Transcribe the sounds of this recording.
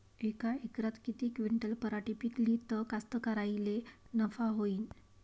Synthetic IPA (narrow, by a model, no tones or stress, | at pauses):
ikaikɾat̪kit̪iːkʋiɳʈəlpəɾaʈipikliːt̪əkast̪əkaɾajlenəfaɦoiːn